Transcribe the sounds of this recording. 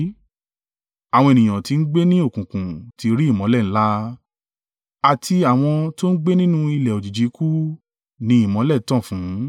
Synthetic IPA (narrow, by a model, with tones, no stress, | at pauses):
a˨w̃ɔ̃˧e˨nĩ˨j̃ã˨ti˧n̩˦ɡ͡be˦nĩ˦o˦˨kũ˨kũ˨tʰi˧ɾi˦i˦˨mɔ̃˨˦lɛ˦˨n̩˦la˦ | a˨tʰi˧a˨w̃ɔ̃˧to˦n̩˦ɡ͡be˦nĩ˦nũ˦i˧lɛ˨o˨d͡ʒi˨d͡ʒi˨˦ku˦ | nĩ˧˦i˨mɔ̃˨˦lɛ˦˨˦tɔ̃˦˨fũ˨˦